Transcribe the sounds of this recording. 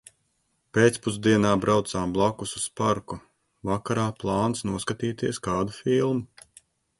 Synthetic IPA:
peːt̪spuzd̪iɛnaːbɾawt̪saːmblˠakususpaɾku | vakaɾaːplˠɑːnsnuɔskat̪iːt̪iɛskaːd̪ufilˠmu

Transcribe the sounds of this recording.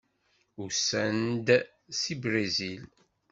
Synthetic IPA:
usænd̪ | sibɾezil

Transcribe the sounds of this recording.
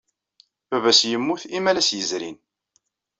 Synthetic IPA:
bævæsjəmːuθimælæsjəzɾin

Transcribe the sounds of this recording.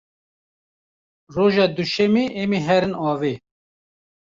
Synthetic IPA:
roːʒɑːd̪uʃɛmeːʔemiːɦɛɾɨnɑːve

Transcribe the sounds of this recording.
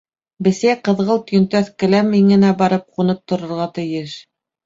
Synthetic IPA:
bɘ̆sæjqɤ̆ðʁɤlˠt̪̆jɵ̆nt̪æθkɘ̆læmːiŋɡɘ̆næbɑɾɤp̚qunɤp̚t̪ŏɾŏɾʁɑt̪ɘ̆jɘʃ

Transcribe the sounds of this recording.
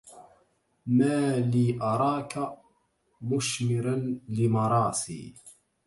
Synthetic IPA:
maːliːʔɑɾˤɑːka | mʊʃmɪɾanlɪmɑɾˤɑːsḭː

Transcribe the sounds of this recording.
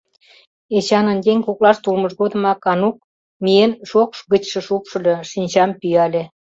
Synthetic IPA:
et͡ɕɑnənd̪eŋʲkuklɑʃt̪ulməʃɣod̪ə̆mɑkɑnuk̚ | mienʃokʃɡət͡ɕʃə̆ʃupʃɤ̆lʲɤʃinʲt͡ɕɑmpyɑlʲe

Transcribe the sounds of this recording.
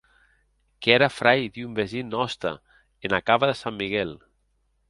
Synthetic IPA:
kɛɾafɾajd̪iumbezinːɔst̪a̰ | enakaβaðesamːiɣɛl

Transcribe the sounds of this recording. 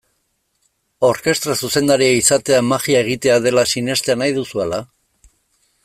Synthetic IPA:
o̞ɾke̞st̪ɾasuse̞nd̪aɾiaisat̪e̞amaɣiae̞ɣ̞it̪e̞að̞e̞lasine̞st̪eanajðusuela

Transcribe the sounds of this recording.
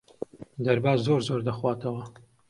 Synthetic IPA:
d̪ɐɾbaːzzoːɾzoɾd̪ɐxwaːt̪ʰɐwɐ

